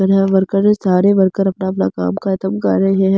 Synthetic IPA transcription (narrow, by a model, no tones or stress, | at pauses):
ɐɾɦɛ̃ʋɐɾkəɾesaːɾeʋɐɾkəɾɐpnaɐpnaka̰ːmkaɪt̪əmkɐ̰ɾːɐɦeɦɛ̃